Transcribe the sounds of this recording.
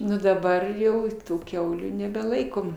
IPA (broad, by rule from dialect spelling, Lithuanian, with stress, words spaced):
ˈnʊ dɐˈbɐr jɛʊ ˈtuː ˈkʲɛʊlʲuː nʲɛbʲɛˈlˠɐɪkoːm